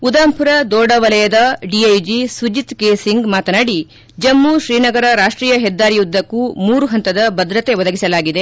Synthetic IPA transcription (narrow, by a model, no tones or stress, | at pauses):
ud̪aːmpuɾɐd̪ɔːɖɐʋɐlɐjɐd̪ɐɖiɐjd͡ʒisud͡ʒit̪keːsiŋɡmaːt̪ɐnaːɽi | d͡ʒɐmːuʃɾiːnɐɡɐɾɐɾaːʂʈɾiːjɐɦɛd̪ːaːɾijud̪ːɐkːumuːɾuɦɐnt̪ɐd̪ɐbɐd̪ɾɐt̪e̞ʋɔd̪ɐɡisɐlaːɡid̪e̞